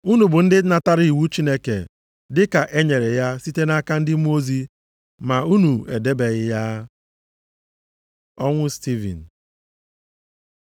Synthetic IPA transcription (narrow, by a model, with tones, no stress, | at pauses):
u˦nu˨bʊ˨n̩˦dɪ˦na˨ta˦ɾi˦i˨wu˦t͡ʃi˦ne˦kḛ˨ | dɪ˦ka˨ʔe˦ɲe˨ɾe˨ja˦si˦te˦na˦ka˦n̩˦dɪ˦mu˦o˦zi˦ | ma˨u˦nu˨ḛ˨de˦be˨ɣɪ˦ja˦ | ɔ˦ŋʷʊ˦sti˦vḭ˨n̩˨